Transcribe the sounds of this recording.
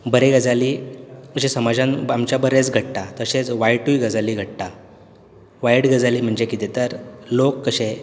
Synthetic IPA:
bəɾeɡəd͡zalikəɕẽsəmad͡zãnamt͡ɕjabəɾet͡sɡʱəʈʈat̪əɕet͡sʋajʈuiɡəd͡zaliːɡʱəʈʈa | ʋajɽɡəd͡zaliːm̤əɳd͡ʑekit̪et̪əɾlokːəɕẽ

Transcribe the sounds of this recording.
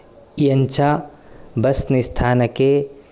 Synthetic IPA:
ijɐɲt͡ʃʰabɐsnɪst̪ʰaːnɐke

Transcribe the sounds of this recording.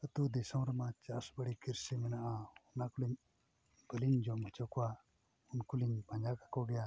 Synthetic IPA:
ət̪ud̪ɛsɔ̃wɾamat͡ʃasbəɽikiɾsimɛnaʔaunakuliɲ | bəliɲd͡ʒɔmət͡ʃɔkɔwa | unkuliɲbaɲakakɔɡɛja

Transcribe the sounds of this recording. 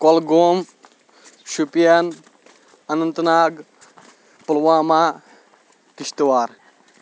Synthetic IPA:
kolɡoːm | ʃupijɐn | ɐnɐnt̪naːɡ | pɐlʋaːmaː | kiʃt̪waːɾ

